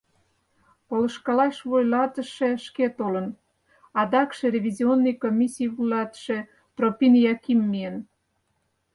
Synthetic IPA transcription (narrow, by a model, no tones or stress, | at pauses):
polə̆ʃkɑlɑʃβojlɑt̪ə̆ʃĕʃket̪olən | ɑd̪ɑkʃĕrʲeβʲizʲionːɨjkomʲisʲijβujlɑt̪ʃe | t̪ropʲinjɑkimːiən